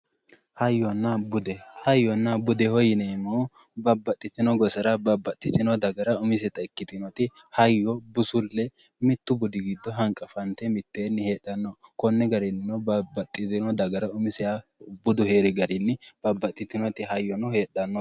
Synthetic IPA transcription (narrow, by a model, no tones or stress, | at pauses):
hɐjːɔnːɐbʊd̪ɛhɐjːɔnːɐbʊd̪ɛhɔjɪnɛmo | bɐbːɐt̪ʼːɪt̪ːɪnɔɡɔsɐɾɐbɐbːɐt̪ʼːɪtɪnɔd̪ɐɡɐɾɐʊmɪs̬ɛt̪ɐɛkːɪt̪ɪnɔt̪ɪhɐjːɔbʊsʊlːɛ | mɪt̪ːʊbʊd̪ɪɡɪd̪ːɔɦɐŋkʼɐfɐnt̪ɛmɪt̪ːeːnːɪheːɗɐnːɔkɔnːɛɡɐɾɪnːɪnɔbɐbɐt̪ʼːɪt̪ɪnɔd̪ɐɡɐɾɐʊmɪsɪjabʊd̪ʊhe̞ːɾɪɡɐɾɪnːɪb̥ɐbːɐt̪ʼːɪt̪ːɪnɔt̪ɪɦɐjːɔnɔheːɗɐnːɔ